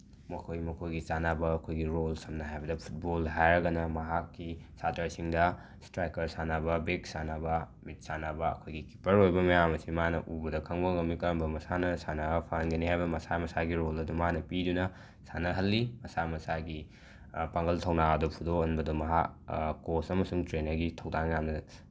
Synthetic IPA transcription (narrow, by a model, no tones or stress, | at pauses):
mɐkʰojmɐkʰojɡit͡ʃanabɐːkʰojɡiɾolsɐmnɐɦajbɐdɐpʰu̥t̚bolɦajɾɐɡɐnɐmɐɦakːisatɐɾsiŋdɐ | stɾajkɐɾsanabɐbeksanabɐ | mit̚sanabɐɐ̰kʰojɡiki̥pɐɾojbɐmɐjamɐsimanɐ̰ʔubɐdɐkʰɐŋbɐŋɐmikɐɾɐmbɐmɐsanɐsanabɐpʰanɡɐniɦajbɐmɐsamɐsaɡiɾolɐdumanɐpidunɐ | sanɐɦɐlːimɐsamɐsaɡi | paŋɡɐltʰɐwnaɐdupʰudoɐnbɐdumɐɦa̰kkːosɐmɐsuŋtɾenɐɾɡitʰɐwdaŋjamnɐ